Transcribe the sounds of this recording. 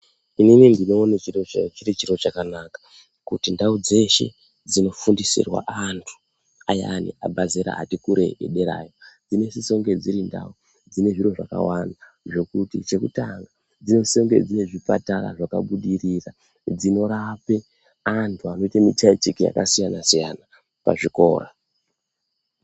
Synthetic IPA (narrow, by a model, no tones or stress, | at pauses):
ininindino̞ːnet͡ʃiot͡ʃiɾit͡ʃiɾo̞t͡ʃakanakḁ | kutindaud͡ze̞ʃe̞̰ | d͡zino̞fundisḭrwa̰ʔantʰu̥ | aja̰nḭa̰bʱazeɾa̰ʔːtikuɾe̞̰ḛɗe̞ɾa̰jod͡zine̞siso̞ŋɡe̞d͡ziɾinda̰u | d͡zine̞ʐiro̞ʐaka̰wana | ʐo̞kutit͡ʃe̞kutaŋɡa | d͡zino̞so̞ŋɡe̞̰d͡zine̞ʐipa̰taɾa̰ʐaka̰ɓuɗirira | d͡zino̞ɾape̞ | antʰuano̞itamitait͡ʃikija̰kasijanasijana | pa̰ʐiko̞̰ːra